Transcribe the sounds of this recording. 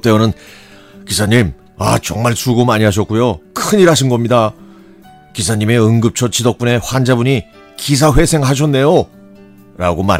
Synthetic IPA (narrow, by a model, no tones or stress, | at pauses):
t͈eonɯn | kisʰaɲim | at͡ɕʌŋmaɭsuɡomaɲiɦaɕ̬ʰʌk͈̚ujokʰɯɲiɾɦaɕ̬ʰinɡʌmɲida | kisʰaɲime̞ɯŋɡɯp̚t͡ɕʰʌt͡ɕidok̚p͈une̞ɸwand͡ʑabuɲi | kis̬ʰaɸwe̞sʰe̞ŋɦaɕ̬ʰʌnːe̞jo | ɾa̰ɡoma̰